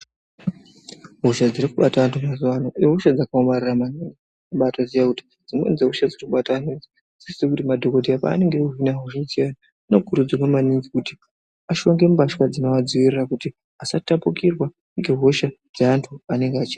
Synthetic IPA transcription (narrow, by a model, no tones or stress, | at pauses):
ɦo̞ʃad͡ziɾikuɓatantʰumazuanoiɦo̞ʃad͡zakaomariramaniŋɡi | aɓatozijakuti̥ | d͡zimo̰nzeɦoʃad͡zirikuɓatanid͡zi | sisi̥sekutimadʱo̞ko̞dʱiapa̰ːne̞ŋɡe̞uɦinaɦo̞ʃad͡ziano | ino̞kuɾud͡zirwamaniŋɡikuti̥ | aʃo̞ŋɡe̞mubaʃwad͡zino̞ʋad͡ziʋirirakuti | asatapukirwa | ŋɡe̞ɦo̞ʃa | d͡zaantʰuane̞ŋɡeat͡ʃia